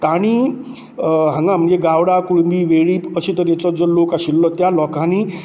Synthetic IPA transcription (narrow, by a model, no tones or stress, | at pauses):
t̪aɽ̃i | ɦãŋɡãm̤ənd͡ʑeɡaʋɽakuɽumbiːʋeɭiːəɕet̪əɾjet͡sɔd͡zɔlokaɕilːɔt̪jalɔkaniː